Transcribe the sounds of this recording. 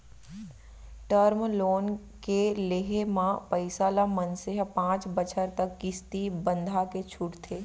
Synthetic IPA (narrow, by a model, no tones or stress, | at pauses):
ʈəɾmloːn | keleɦemãpəɪsalamənseɦpãːt͡ʃbət͡ʃʰəɾt̪ɐkɡɪst̪ibə̃nd̪ʱaket͡ʃʰʊʈt̪ʰeː